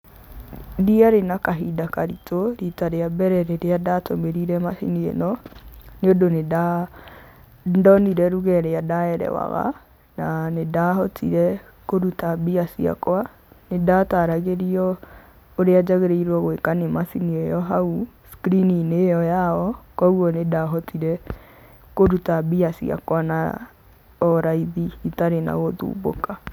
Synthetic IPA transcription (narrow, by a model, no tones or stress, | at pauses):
diaɾenakaɦidakaɾitʰoɾitaɾeabɛɾɛɾeɾeadatʰomeɾiɾɛmasiniḛnɔneodoneda | ndɔniɾɛɾuɣɛɾeadaɛɾɛ̰wa̰ɣa̰ | nanedahɔtʰḭɾɛ | koɾutabiasia̰kwa | nedataːɾaɣeɾiɔ | oɾead͡ʒaɣeɾeiɾwɔɣwekanemasiniɛjɔɦau | skɾininejɔjaɔkɔuɔnedaɦɔtiɾɛ | koɾutabiasia̰kwana̰ | ɔɾaiðiːtaɾena̰ɣoðṵːβo̰ka